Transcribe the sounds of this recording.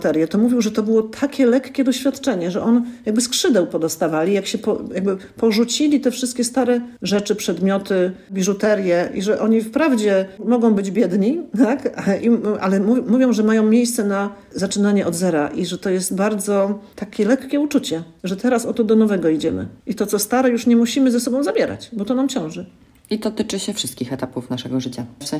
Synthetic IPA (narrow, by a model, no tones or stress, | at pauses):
t̪ɛɾʲjɛt̪ɔmuvʲjiwʐɛt̪ɔbɘwɔt̪ʰakʲɛlɛkːʲɛd̪ɔɕfʲjat̪t͡ʂɛɲɛʐɛʔɔnjaɡbɘskʂɘd̪ɛwpɔd̪ɔst̪avalʲijakɕɛpɔjaɡ̚bɘpɔʐut͡ɕilʲit̪ɛfʂɘst̪kʲɛst̪aɾɛʐɛt͡ʂɘpʂɛd̪mʲjɔt̪ɘbʲiʐut̪ɛɾjɛʔḭʐɛʔɔɲifpɾavd͡ʑɛmɔɡɔ̃w̃bɘd͡ʑbʲjɛd̪ɲit̪akaʔiʔa̰lɛmumuvʲjɔ̃w̃ʐɛmajɔ̃w̃mʲjejst̪sɛna | zat͡ʂɘnaɲɛʔɔd̪zɛɾa̰ʔiʐɛt̪ɔjɛst̪baɾd̪zɔt̪akʲɛlɛkkʲːɛut͡ʂut͡ɕɛʐɛt̪ɛɾasɔt̪ɔd̪ɔnɔvɛɡɔid͡ʑɛmɘ̰ʔit̪ɔt̪sɔst̪aɾɛjuʂɲɛmuɕimɘzasɔbɔ̃w̃zabʲjɛɾa̰t͡ɕbɔt̪ɔnamt͡ɕɔ̃w̃ʐɘ | it̪ɔt̪ɘt͡ʂɘɕɛfʂɘst̪̚kʲixɛt̪apufnaʂɛɡɔʐɘt͡ɕasɛ